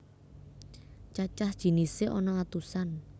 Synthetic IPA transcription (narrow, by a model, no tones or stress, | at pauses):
t͡ʃat͡ʃahd̥ʒ̥i̤nisɪʔɔnɔat̪usan